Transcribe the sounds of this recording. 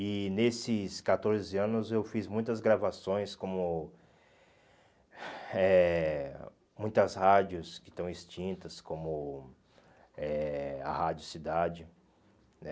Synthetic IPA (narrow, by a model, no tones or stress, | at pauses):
ɪnesɪskat̪oɾzɪɐ̃nʊzewfizmũj̃t̪ɐzɡɾavasõj̃skõmʊ | ɛ | mũj̃t̪ɐshad͡ʒʊskɪ̥t̪ɐ̃w̃ist͡ʃĩnt̪ɐskõmʊ | ɛa̰had͡ʒjʊsid̪ad͡ʒɪ | nɛ